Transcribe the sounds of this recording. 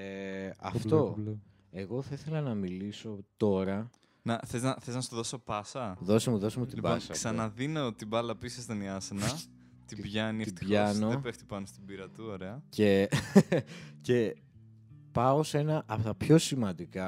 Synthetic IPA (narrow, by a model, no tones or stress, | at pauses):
eɐ̰ftt̪o̞ | e̞ɣo̞θɐiθe̞lɐnɐmiliso̞t̪o̞ɾɐ | nɐθeznɐθeznɐst̪oðo̞so̞pɐsɐðo̞semuðo̞semut̪ilbɐɐsɐksɐnɐðinot̪ibɐlɐpisɐst̪oniɐsenɐ | t̪ibʝɐniiibʝɐno̞epeft̪i̥pɐnost̪ibiɾɐt̪uoɾeɐce̞ | ce̞ | pɐose̞nɐʔɐpot̪ɐpço̞simɐ̃nd̪ikɐ